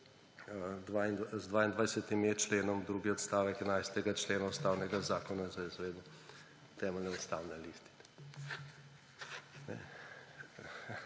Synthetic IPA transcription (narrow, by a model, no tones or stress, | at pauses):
d̪ʋainzd̪ʋaːind̪ʋajsɛt̪imet͡ʃleːnɔmd̪ɾuːɡiɔt̪st̪aːʋɛkɛnajst̪ɛɡat͡ʃleːnaut̪st̪aːwnɛɡazaːkɔnazaizʋed̪ɛ | t̪ɛːmɛlnɛust̪awnɛliːst̪i̥k | nɛ̰